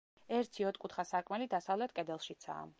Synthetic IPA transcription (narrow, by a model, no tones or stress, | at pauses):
ɛɾt̪ʰiɔt̪̚kʼut̪ʰχasakʼmɛlid̪asavlɛt̪ʰkʼɛd̪ɛlˠʃit̪sʰa̰ː